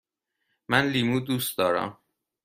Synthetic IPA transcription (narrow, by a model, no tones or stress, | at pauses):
mænliːmuːd̪uːst̪̚d̪ɒːɾæ̰m